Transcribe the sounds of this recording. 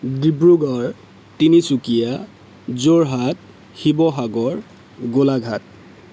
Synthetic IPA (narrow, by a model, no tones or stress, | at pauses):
dibɹuɡɔɹ | tinisukija | zoɹɦat̚ | xibɔɦaɡɔɹ | ɡolaɡʱat̚